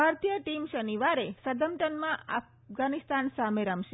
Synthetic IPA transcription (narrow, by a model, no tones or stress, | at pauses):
aɾt̪jəʈimʃəniʋaɾesəd̪əmʈənmãaf | ɡanist̪ansameɾamʃe